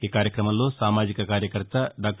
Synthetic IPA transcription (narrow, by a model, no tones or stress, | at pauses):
kekaːɾjəkɾɐmɐlosaːmaːd͡ʒikɐkaːɾjəkəɾt̪aɖaːk̚ʈ